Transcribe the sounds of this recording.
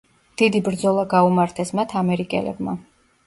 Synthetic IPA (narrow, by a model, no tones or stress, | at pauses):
d̪̥id̪ibɾd̪zɔlˠaɡaumaɾt̪ʰɛsmat̪ʰamɛɾikʼɛ̰lɛ̰bma̰